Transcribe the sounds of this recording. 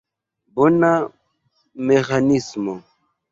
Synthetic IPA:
bona | mexanismo

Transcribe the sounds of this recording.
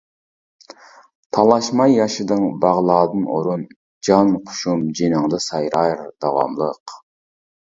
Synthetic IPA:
t̪ʰɑlˠɑʃmɑjːɑʃɨd̪ɨŋbɑʁlˠɑːd̪ɨno̰ɾun | d͡ʒɑnqʰʊ̥ʃumd͡ʒinəŋd̪ɨsɑjɾɑɾd̪ɑwɑ̰mlˠəq

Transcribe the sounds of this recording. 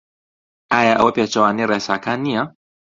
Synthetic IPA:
ajaʔopɛt͡ʃɔwaniɾɛsakania

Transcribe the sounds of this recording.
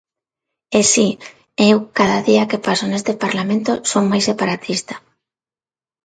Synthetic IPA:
esi | ewkaðaðiakepasonest̪epaɾlamẽnt̪osowmajsepaɾat̪ʰist̪ḁ

